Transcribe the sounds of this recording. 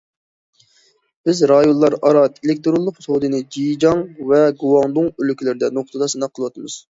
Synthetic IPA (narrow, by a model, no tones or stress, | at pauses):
b̥ɪzɾɑjonlˠɑɾɑɾɑt̪elɪk̚ʲt̪ɾolˠːʊqsod̪ɨnɨd͡ʒijd͡ʒɑŋvɛɡuwɑŋd̪uŋølykʲilɪɾɪd̪ɛnoq̚t̪ʰəd̪ɑsɨnɑqʰəlˠəwɑt̪ʰɨmɨz̥